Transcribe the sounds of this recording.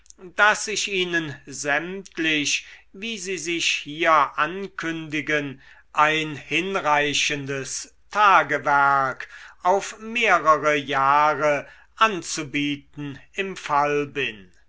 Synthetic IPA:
d̥asɪʃʔiːnənzɛmtlɪʃviːziːzɪʃhiːɐʔankʰʏndɪɡən | ʔaɪnhɪnʁaɪɕəndəs | tʰaːɡəvɛɐkʔaʊfmeːʁəʁəjaːʁə | ʔant͡subiːtn̩ɪmfalbɪn

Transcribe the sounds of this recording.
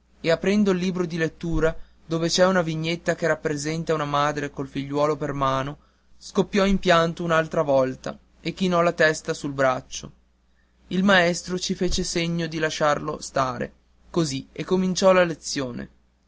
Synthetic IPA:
eapːɾɛnd̪oilːiːbɾod̪ilet̪ːuːɾa | d̪oːvet͡ʃɛunaviɲːet̪ːakeɾapːɾezɛnt̪aunamaːd̪ɾekolfiʎːwɔːlopermaːno | skopːjɔimpjant̪ounalt̪ɾavɔlt̪a̰ | ekːinɔlat̪ɛst̪asulbɾat͡ʃːo̰ | ilmaɛst̪ɾot͡ʃifeːt͡ʃeseɲːod̪ilaʃarlost̪aːɾḛ | koziekːomint͡ʃɔlalet̪sːjoːnḛ

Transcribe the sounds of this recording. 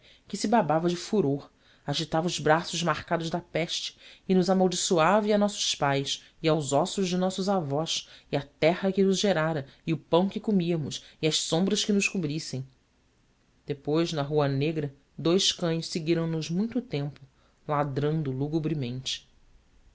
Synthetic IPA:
kɪsɪbabavɐd͡ʒɪfuɾoɾ | aʒit̪avɐʊzbɾasʊzmaχkad̪ʊʒd̪ɐpɛʃt͡ʃɪ̥ːnʊzamawd͡ʒisuaviɐnɔsʊ̥spajs | ɪawzɔsʊʒd͡ʒɪnɔsʊzavɔsɪat̪ɛhɐkɪnʊzʒeɾaɾɐɪʊpɐ̃w̃kɪkumiɐmʊsɪɐʃsõmbɾɐskɪnʊʃkubɾisẽj̃ | d̪̥epojznɐɦuɐneɡɾɐ | d̪ojskɐ̃j̃ssɪɡiɾɐ̃w̃nʊzmũj̃t̪ʊt̪ẽmpʊ | lad̪ɾɐ̃nd̪ʊluɡubɾimẽnt͡ʃɪ̥

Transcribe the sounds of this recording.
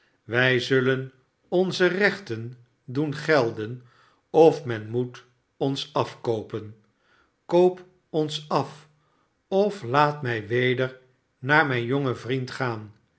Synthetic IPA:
ʋɛjzɵlən | ɔnzərɛχtən | dunχɛlˠdən | ɔfmɛnmut | ɔnsɑfkowpən | kowp | ɔnsɑf | ɔflaːtmɛjʋejdəɹ | naːɹmɛjnjoŋəvrintχaːn

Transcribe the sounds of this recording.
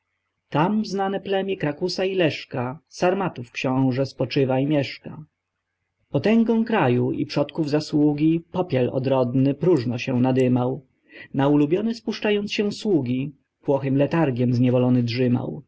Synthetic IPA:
t̪amznanɛplɛmʲjɛkɾakusailɛʂkasaɾmat̪ufkɕɔ̃w̃ʐɛspɔt͡ʂɘvaimʲjɛʂka | pɔt̪ɛŋɡɔ̃kɾajuḭpʂɔt̪kuvzaswuɡʲipɔpʲjɛlɔ̰d̪ɾɔd̪nɘpɾuʐnɔɕɛ̃nad̪ɘmaw | naulubʲjɔnɘspuʂt͡ʂajɔnt̪sɕɛ̃swuɡʲi | pwɔxɛmlɛt̪aɾɡʲjɛmzɲɛvɔlɔnɘdʐɘma̰w

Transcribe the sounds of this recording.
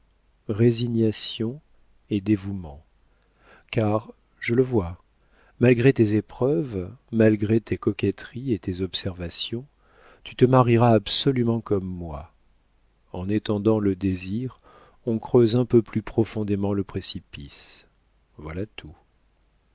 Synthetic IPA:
ʁeziɲasjɔ̃ | ed̪evumɑ̃ | kaʁ | ʒ̥ələvwa | malɡʁet̪ezepχœvmalɡʁet̪ʰekɔkʲɛt̪χiet̪ezɔpsɛʁvasjɔ̃ | t̪yt̪əmaʁiʁaːbsɔlymɑ̃kɔmːwa | ɑ̃net̪ɑ̃d̪ɑ̃ləd̪eziʁ | ɔ̃kχøzɛ̃pøplypχɔfɔ̃d̪emɑ̃ləpχesipis | vwalat̪ʰu

